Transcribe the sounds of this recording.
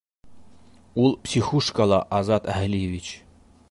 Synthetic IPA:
ulˠpsʲixuʂkalˠɑʔɑzɑt̪æɦlʲijevʲit͡ɕ

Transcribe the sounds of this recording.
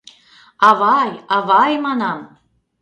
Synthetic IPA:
ɑβɑjɑβɑjmɑnɑm

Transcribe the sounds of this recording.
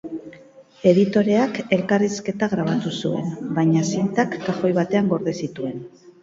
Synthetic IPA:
e̞ðit̪o̞ɾe̞ake̞lkariske̞t̪aɣɾaβ̞at̪usue̞̰nbajɲasint̪akːaxo̞jβat̪e̞aŋɡo̞ɾðesit̪ue̞n

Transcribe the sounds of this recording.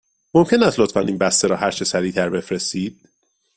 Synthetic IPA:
momcʰe̞næst̪lot̪fænʔiːnbæst̪eɾɒːhæɾt͡ʃʰesæɾiːt̪ʰæɾbe̞fɾest̪iːd̪̥̚

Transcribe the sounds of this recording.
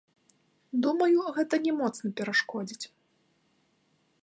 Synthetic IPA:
d̪umɐjuɣɛt̪ɐnʲɛmɔt̪snɐpʲɛɾaʂkɔd͡zʲit͡sʲ

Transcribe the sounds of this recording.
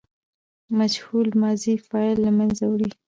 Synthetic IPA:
mad͡ʒhulmɑzifɑlːamanzawɽi

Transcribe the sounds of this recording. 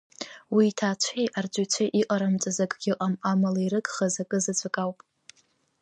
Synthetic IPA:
wiːtʰaːt͡ɕʷʰejʔard͡ʒʷʼʊt͡ɕʷʰaʔiqʼaɾamt͡sʼazakʼɡʲɪʔʼamamalaiɾɨkʼχazakʼɨzat͡sʷʰʼakʼawpʼ

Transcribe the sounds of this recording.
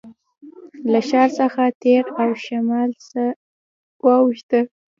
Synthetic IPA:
laʃɑɾsəxat̪eɾawʃamɑlsə | wɑwʃt̪ə

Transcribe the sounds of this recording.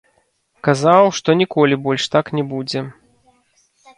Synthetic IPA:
kazawʂt̪ɔnʲikɔlʲibɔlʲʂt̪aknʲɛbud͡zʲɛ

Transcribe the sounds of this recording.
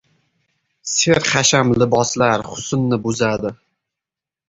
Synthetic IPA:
seɾχaʃamlɪbɒslaɾχʊ̥sʊnːɪbʊzad̪ɪ

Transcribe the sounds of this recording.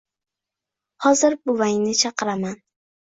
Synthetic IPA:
hɒzɪɾbʊvajnɪt͡ʃʰɑqɨɾaman

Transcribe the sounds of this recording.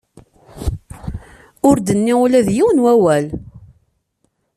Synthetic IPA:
ʊɾd̪ənːiʊlæðjiwənwæwæl

